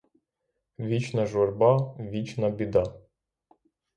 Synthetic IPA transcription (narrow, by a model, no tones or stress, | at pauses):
ʋʲit͡ʃnɐʒɔrbɑʋʲit͡ʃnɐbʲid̪ɑ